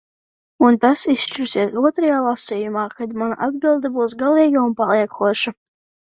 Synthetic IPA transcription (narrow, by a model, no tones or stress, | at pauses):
unt̪asisʃt͡ʃiɾsiɛsuɔt̪ɾajaːlˠasiːjumaːkad̪mana̰ʔad̪bilˠd̪abuːsɡalˠiːɡaunpalˠiɛkʰuɔʃa